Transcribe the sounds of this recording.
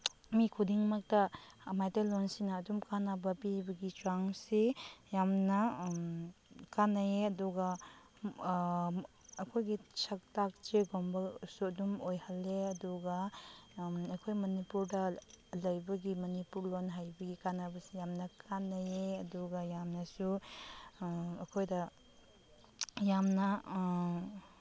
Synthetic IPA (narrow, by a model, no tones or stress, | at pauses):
mikʰudiŋmak̚tɐːmajtɐlonsinɐːdumkanabɐpibɐɡit͡ʃaŋsejamnɐ | kanajeɐduɡɐ | kʰojɡisʰɐk̚tak̚t͡ʃeɡombɐsudumojhɐlːeɐduɡa | ɐkʰojmɐnipuɾdɐlɐjbɐɡimɐnipuɾlonɦajbɐɡikanabɐsijamnɐkʰanːajeɐduɡajamnɐsu | ɐkʰojdɐ | jamnɐ